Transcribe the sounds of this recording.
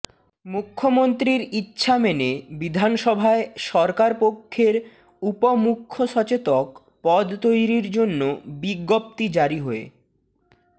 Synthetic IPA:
mukʰːomont̪ɾiɾitːɕʰamenebid̪ʱanʃɔbʱaeʃɔɾkaɾpokʰːeɾ | upomukʰːoʃɔt͡ɕet̪ok | pɔd̪t̪ojɾiɾd͡ʑonːobiɡːop̚t̪id͡ʑaɾiɦɔḛ

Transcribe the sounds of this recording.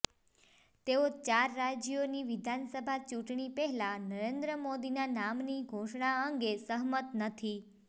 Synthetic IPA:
t̪eot͡ʃaɾːad͡ʒjoniʋɪd̪ʱansəbʱat͡ʃũʈɳipɛɦɛlanəɾend̪ɾəmod̪inanamniɡʱoʃɳaəŋɡesəɦmət̪nət̪ʰi

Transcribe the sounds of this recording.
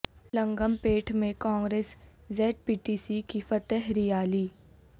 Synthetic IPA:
lə̃ŋɡəmpeːʈʰmẽkɔ̃ːŋɡɾeːszɛːʈ̚piːʈiːsikifɐt̪ɛɦɾijaːliː

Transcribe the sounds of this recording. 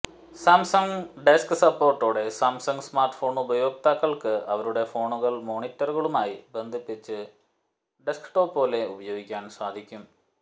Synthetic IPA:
saːmsɐŋɡɖeskɨsɐpːo̞ːrʈːo̞ːɽe̞saːmsɐŋɡɨsmaːrʈːfo̞ːɳubɐjo̞ːk̚t̪aːkːɐɭkɨʔɐʋɐɾuɽe̞fo̞ːɳuɣɐɭmo̞ːɳitːɐrɣɐɭumaːjibe̞nd̪ʱipːit͡ɕːɨ | ɖeskʈo̞ːpːo̞ːle̞ubɐjoːɡikʲːaːnsaːd̪ʱikʲːum

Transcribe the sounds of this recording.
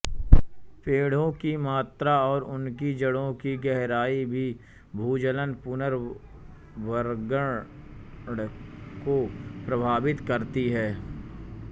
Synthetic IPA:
peːɽ̤õkimaːt̪ɾaɔːɾʊnkid͡ʒɐɽõkiɡɛɦɾaːibʱi | bʱuːd͡ʒələnpʊnəɾ | ʋəɾɡə | ɽkopɾɐbʱaːʋɪt̪kɐɾt̪iɦɛː

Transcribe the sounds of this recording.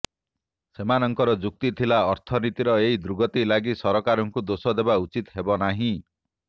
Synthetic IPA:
semanɔŋkɔɾɔd͡ʒuk̚t̪it̪ʰilaɔɾt̪ʰɔnit̪iɾɔeɦid̪ɾuɡɔt̪ilaɡisɔɾɔkaɾɔŋkud̪osɔd̪ebaut͡ʃit̪ɦebɔnaɦĩ

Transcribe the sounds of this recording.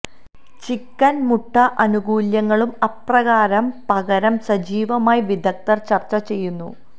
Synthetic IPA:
t͡ɕikːɐnmuʈʰːɐʔɐnuɡuːljɐŋːɐɭumɐprɐɣaːɾɐmpɐɣɐɾɐmsɐd͡ʑiːʋɐmaːjiʋid̪ʱɐk̚t̪ɐrt͡ɕɐrt͡ɕːɐt͡ɕe̞jːunːu

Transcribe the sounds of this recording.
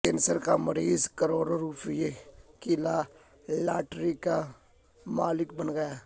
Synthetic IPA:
kensəɾkaməɾiːzkəɾoːɾaɾuːpɪjekɪlaː | laːʈɾika | maːlɪkbənɡəjaː

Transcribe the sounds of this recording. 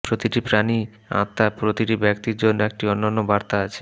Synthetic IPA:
pɾot̪iʈipɾani | ã̰t̪ːapɾot̪iʈibɛkt̪iɾd͡ʑonːoek̚ʈiɔnːanːobaɾt̪aat͡ɕʰe̥

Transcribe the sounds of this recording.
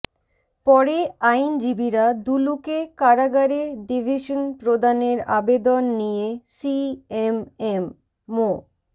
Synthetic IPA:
pɔɾeajnd͡ʑibiɾad̪ulukekaɾaɡaɾeɖibʱiʃonpɾod̪aneɾa̰bed̪onːijesiememː | o

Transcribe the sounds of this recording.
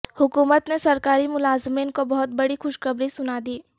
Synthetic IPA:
hʊkuːmət̪nesɐɾkaːɾimʊlaːzmiːnkobɐɦʊt̪̚bɐɽixʊʃxɐbɾisʊnad̪iː

